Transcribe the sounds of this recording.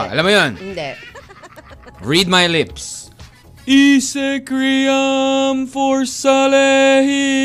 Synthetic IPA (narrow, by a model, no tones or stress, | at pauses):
ɐ̰lamːɐjon | ɹid̪̚majlɪps | isɛkɾijɐmfɔɹsɐlɛɦi